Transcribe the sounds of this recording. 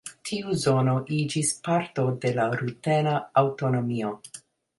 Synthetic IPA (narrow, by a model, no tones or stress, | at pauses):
tʰiuzo̞no̞ʔid͡ʒispaɾto̞de̞laɾutenaːwto̞nomio̞